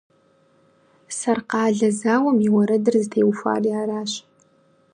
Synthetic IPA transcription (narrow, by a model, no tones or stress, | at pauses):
sɐrqɑːɮɐzaːwɐmiwɐɾɐdɨrzɨtʰeːwfʷa̰ːriaːɾaːɕ